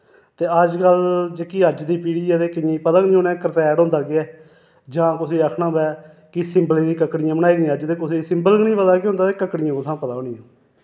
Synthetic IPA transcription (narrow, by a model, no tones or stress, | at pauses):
t̪eːəd͡ʒkəld͡ʒekiːəd͡ʒd̪iːpiːɽiaːt̪eːkɪĩːpət̪aːnĩːoːnɛ̃ːkəɾt̪ɛːɽõːnd̪aːɡɪɛː | d͡ʒãːkʊsiːəkʰnãːbɛː | kɪsɪ̃mblẽːd̪iːkəkːɽɪjãːbənaːiːɡãːəd͡ʒt̪eːkʊsiːsɪ̃mbəlɡnĩːpəd̪aːkeʊ̃nd̪aːt̪eːkəkːɽɪjãːkot̪ʰãːpət̪aːnĩːoː